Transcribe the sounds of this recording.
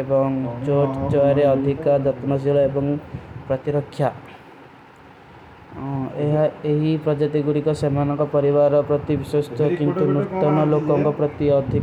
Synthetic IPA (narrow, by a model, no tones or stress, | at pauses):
ebɔŋt͡ʃoʈt͡ʃɔjɔɾeɔd̪ʱikad̪ɔt̪nɔsilɔebɔŋpɾɔt̪iɾɔkʰːja | eɦaeɦipɾɔd͡ʒɔt̪iɡuɽikɔsemanɔŋkɔpɔɾibaɾɔpɾɔt̪ibiswɔst̪ɔkint̪unut̪ːɔnɔlokɔŋkɔpɾɔt̪iɔd̪ʱi